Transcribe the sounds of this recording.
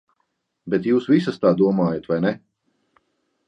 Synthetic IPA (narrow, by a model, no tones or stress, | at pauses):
bɛt̪juːsvisɐst̪aːd̪uɔmaːjat̪vajnɛ